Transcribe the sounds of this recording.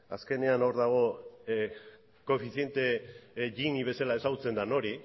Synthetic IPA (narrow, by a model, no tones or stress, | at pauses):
a̰ske̞ne̞ano̞ɾðaɣ̞o̞ | ko̞fiθie̞nt̪e̞ʝiniβ̞e̞salae̞saɣut͡se̞nd̪ano̞ɾi